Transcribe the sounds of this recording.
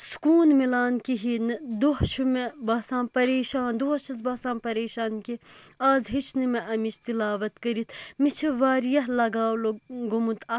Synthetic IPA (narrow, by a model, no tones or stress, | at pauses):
skuːnmilaːnkiɦind̪oɦʃumebaːsãːnpɐɾeːʃaːnd̪uɐʃʰɐzbaːsaːmpɐɾeːʃaːnkiaːzɦit͡ʃʰnimeʔɐmit͡ʃt̪ilaːʋɐt̪kɐɾit̪ʰmit͡ʃʰiʋaːɾjɐɦlɐɡaːwloɡumut̪ɐ